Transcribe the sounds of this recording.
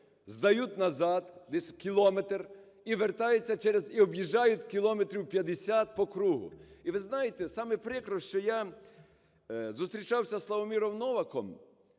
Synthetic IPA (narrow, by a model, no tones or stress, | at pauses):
zd̪ɐjut̪ʲnɐzɑd̪d̪esʲkʲilˠɔmet̪r | iʋert̪ajet͡sʲːɐt͡ʃɛɾeziɔbjiʒajʊtʲkʲilˠɔmet̪ɾʲiwpʲjɐd̪esʲat̪̚pɔkɾuɦʊ̰iʋɪznɑjet̪ɛsɑmɪpɾɪkɾɔʃt͡ʃɔja | zʊst̪ɾʲit͡ʃɑwsʲɐslˠɐʋɔmʲiɾɔwnɔʋɐkɔm